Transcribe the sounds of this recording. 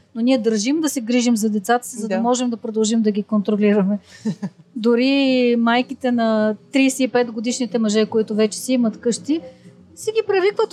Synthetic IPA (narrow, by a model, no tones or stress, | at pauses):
noniɛd̪əɾʒimd̪ɐsɛɡɾiʒimzɐd̪ɛt̪sat̪ə̥sizɐd̪ɐmɔʒɛmd̪ɐpɾod̪ɐlˠʒimd̪ɐɡʲikont̪ɾoliɾɐmɛ | d̪oɾimajkit̪ɛnɐt̪ɾiːsɛipɛt̪ɡod̪iʃnit̪ɛmɐʒɛkoit̪ʊvɛt͡ʃɛ̥siimɐt̪kɤʃt̪i | sɛɡʲipɾɛvikvət̪